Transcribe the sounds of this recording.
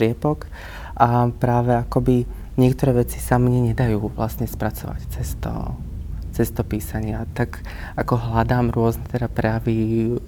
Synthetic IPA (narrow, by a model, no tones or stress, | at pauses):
ɪɛpɔk | ʔapɾaːʋɛakɔbi | ɲɪɛkt̪ɔɾɛːʋɛt͡si̥samɲɛɲɛd̪ajuːʋla̰sɲɛspɾat͡sɔʋa̰ct͡sɛst̪ɔ̰ | t͡sɛst̪ɔpiːsaɲɪat̪aɡ | akɔɦlad̪aːmɾʊɔznɛt̪ɛd̪apɾɛjaʋi